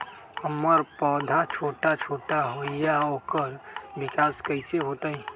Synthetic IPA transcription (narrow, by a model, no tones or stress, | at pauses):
ɐmːəɾpɔːd̪ʱat͡ʃʰoːʈat͡ʃʰoːʈaɦoːijaoːkəɾʋɪkaːskəɪseɦoːt̪aɦĩː